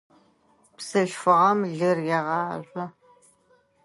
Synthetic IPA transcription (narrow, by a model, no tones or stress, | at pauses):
psɨɬfɨʁɐmɮɨrjɛʁɑːɕʷʼɔ